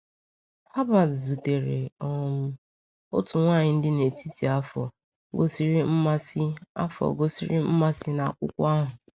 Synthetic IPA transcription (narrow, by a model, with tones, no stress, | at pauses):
ha˦ba˨dzu˨te˨ɾe˨ɔ˨m̩˦ | o˦tʊ˨ŋʷaː˦˨ɲɪ˦n̩˦dɪ˦ne˨ti˦ti˨a˦fɔ̰˨ | ɡo˦si˦ɾi˦m̩˦ma˦si˦a̰˦fɔ̰˨ɡo˦sḭ˦ɾi˦m̩˦ma˦sɪ˦na˨kʷʊ̰˦kʷa˦ɦʊ˨